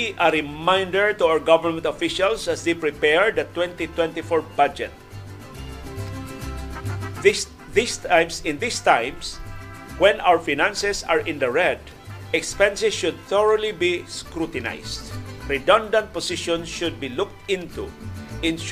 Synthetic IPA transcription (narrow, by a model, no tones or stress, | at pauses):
ʔɐɹɪmãjnd̪ɛɹt̪uawəɹɡavəɹmɛ̃nt̪ɔfɪʃalsasd̪ejpɹɪpɛɹd̪ɐt̪wɛ̃nt̪it̪wɛ̃nt̪ifɔɹbad͡ʒɛt̪̚ | ðisjmsɪ̃nd̪ɪst̪ãjms | wɛ̃nʔawəɹfinãnsɛsaɹʔɪ̃nd̪ɐɹɛd̪ | ɛkspɛ̃nsɛsʃʊd̪̚θɔɹolibiskɹut̪ɪna̰jst̪ɹɪd̪ɔ̃nd̪ãnt̪̚pɔsɪʃɔ̃nsʃʊd̪̚bilʊk̚t̪ɪ̃nt̪ṵʔɪ̃n